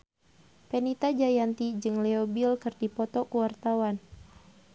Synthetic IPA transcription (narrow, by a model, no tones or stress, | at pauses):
pɛnit̪ad͡ʒajant̪id͡ʒɨŋlɛobilkɨrdipɔt̪ɔkuwart̪awan